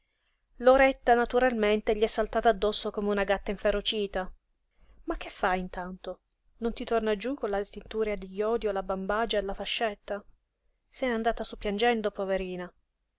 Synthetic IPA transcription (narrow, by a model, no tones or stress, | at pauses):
loɾɛt̪ːanat̪uɾalment̪eʎiɛsːalt̪aːt̪aːd̪ːɔsːokomeunaɡat̪ːaiɱfeɾot͡ʃiːt̪a | mak̟ːefːajint̪ant̪o | nont̪it̪ornad͡ʒukːonlad̪t̪ent̪uːɾead̪eʎːɔːd̪iolabambad͡ʒaelafaʃːɛt̪ːa | sɛnand̪aːt̪asupːjand͡ʒɛnd̪opoveɾiːna